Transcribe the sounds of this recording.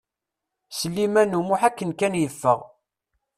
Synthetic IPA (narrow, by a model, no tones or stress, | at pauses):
səlːimænumʊħækːənkænjəfːə̰ʁ